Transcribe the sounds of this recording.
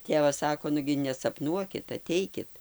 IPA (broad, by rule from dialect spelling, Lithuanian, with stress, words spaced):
ˈtʲeːʋɐs ˈsɑːkoː ˈnʊɡʲɪ nʲɛsɐpˈnuɔkʲɪt ɐˈtʲɛɪkʲɪt